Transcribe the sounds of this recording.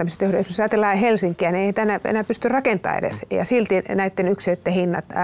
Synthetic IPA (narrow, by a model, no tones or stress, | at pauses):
æmːøset̪øhrøˑssɑːt̪elːɑhelsiŋkːˑiæneihænt̪æenæḛnæːpyst̪yrrɑkent̪ˑɑ̰ːḛɾḛsjɑ̰silt̪inæit̪ːenykset̪ːehinːɑ̰t̪